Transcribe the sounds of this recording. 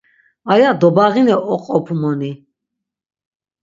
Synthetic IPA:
ajad̪ɔbaʁinɛɔqʼɔpʰumɔni

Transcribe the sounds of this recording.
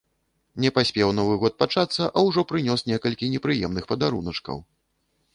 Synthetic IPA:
nʲɛpasʲpʲɛwnɔvɨɣɔt̪̚pat͡ʂat̪sːɐʔɐwʐɔpɾɨnʲɔsnʲɛkɐlʲkʲinʲɛpɾɨjɛmnɨxpɐd̪aɾunɐt͡ʂkɐ̰w

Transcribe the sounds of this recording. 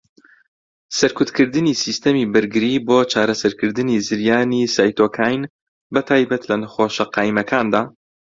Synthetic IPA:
sɐɾkʊt̪kɨɾd̪ɨnisiːst̪ɐmiːbɨɾɡɨɾiboːt͡ʃʰaːɾɐsɐɾkɨɾd̪ɨnizɨɾjaːnisaːjt̪oːkʰaːjn | bɨt̪ʰaːjbɐt̪lɐnɐxoːʃɐqɑːimɐkʰaːnd̪aː

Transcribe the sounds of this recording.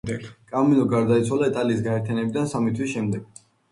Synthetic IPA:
kʼamilɔɡaɾd̪ait̪sʰwalait̪ʼaliːsɡaɛɾt̪ʰjanɛbid̪ansamit̪ʰwisʃɛmd̪ɛɡ̥

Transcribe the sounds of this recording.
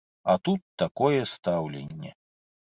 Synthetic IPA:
ɐt̪ut̪ːakɔjɛst̪awlʲḛnʲːɛ̰

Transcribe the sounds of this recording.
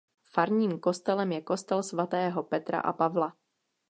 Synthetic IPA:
faɾɲiːmko̞st̪ɛlɛmjɛko̞st̪ɛlsvat̪ɛːɦo̞pɛt̪ɾa̰ʔa̰pavla

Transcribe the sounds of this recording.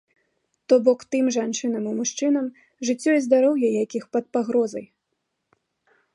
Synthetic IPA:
t̪ɔbɔkt̪ɨmʐant͡ʂɨnɐmimuʂt͡ʂɨnɐm | ʐɨt͡sʲːɔizd̪aɾɔwjɐjakʲixpɐt̪̚paɣɾɔzɐ̰j

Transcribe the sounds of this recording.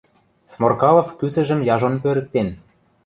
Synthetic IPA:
smorkɑlˠŏfkysɘ̆ʒə̆mjɑʒonpøɾɘ̆k̚t̪en

